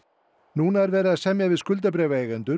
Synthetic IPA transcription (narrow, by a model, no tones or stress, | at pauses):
nuːnaɛɾvɛːɾasɛmjavɪðskʏlt̪̬apɾɛːvaejɣɛnt̪ʏ